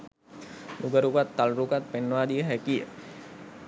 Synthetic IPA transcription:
nuɡaɾukat̪ːalrukat̪̚pɛnːwadiɦɛki

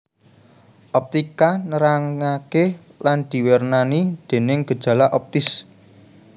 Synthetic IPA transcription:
ʔɔp̚t̪ikanəɾaŋake | land̪̥i̤wernanid̪̥e̤nɪŋɡ̥ə̤d̥ʒ̥ä̤laʔɔp̚t̪ɪs

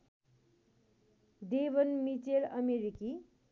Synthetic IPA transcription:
d̪ebʌnmit͡selʌmeɾiki

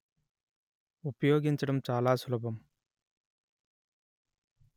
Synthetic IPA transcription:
upjoːɡint͡ɕiɽʌmt͡ɕaːlaːsʰulɐbɐm

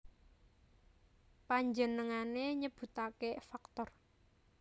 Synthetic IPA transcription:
paɲd͡ʒənəŋaneɲəb̥ṳt̪akefakt̪ɔr

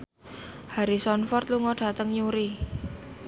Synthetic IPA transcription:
haɾisɔnfɔrt̪̚luŋɔɖ̥a̤t̪əŋɲuɾi

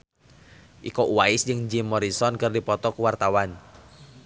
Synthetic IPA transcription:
ʔikoʔuwaɪsd͡ʒɨŋd͡ʒimːɔɾisɔnkɨrdipɔt̪ɔkuwart̪awan

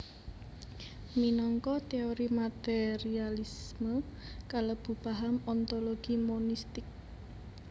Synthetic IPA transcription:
minɔŋkɔt̪eoɾimat̪eɾialisməkaləb̥upaɦamɔnt̪oloɡ̥imonist̪ɪk̚

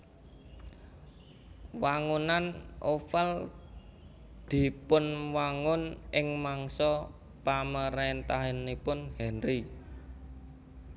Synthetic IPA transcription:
waŋunanʔofəl | d̪̥i̤pʊnwaŋʊnʔɪŋmaŋsɔ | paməɾent̪aɦenipʊnhɛnri

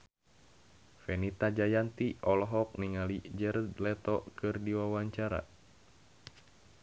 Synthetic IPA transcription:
fɛnit̪ad͡ʒajant̪iɔlɔɦɔk̚niŋalid͡ʒərd̪lɛt̪ɔkɨrdiwawaɲt͡ʃaɾa̰

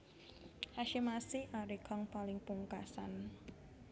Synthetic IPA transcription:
haʃimasiʔaɾikʰɔŋpalɪŋpuŋkasan

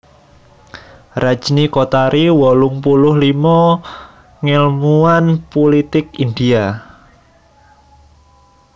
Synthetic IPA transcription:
rḁʒ̥nikot̪aɾiwɔlʊŋpulʊhlimɔ | ŋɛlmuanpulit̪ɪk̚ind̪ia

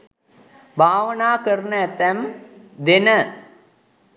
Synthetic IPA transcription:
bʱaːʋənaːkəɾnəɛt̪ːæm | d̪enə

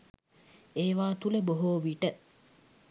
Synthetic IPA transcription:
eːʋaːt̪uleboɦoːʋiʈə

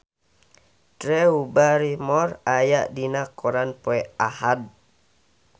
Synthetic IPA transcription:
t̪ɾɛubaɾimɔrajaʔdinakɔɾanpɔɛʔahad̚

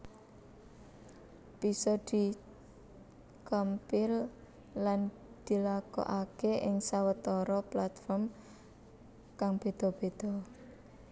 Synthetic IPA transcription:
b̥isɔd̪̥i̤ | kəmpɪl | lan | d̪̥i̤lakɔ̰ʔakeʔɪŋsawət̪ɔɾɔplat̪fɔrm | kaŋb̥e̤d̪̥ɔ̤b̥e̤d̪̥ɔ̤

